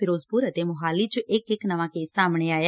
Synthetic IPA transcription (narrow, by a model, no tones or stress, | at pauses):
pʰɪɾʊspuːɾət̪eːmʊɦaːliːt͡ʃʊʔɪkɪknəʋãːkeːsaːmɳ̃eːaːja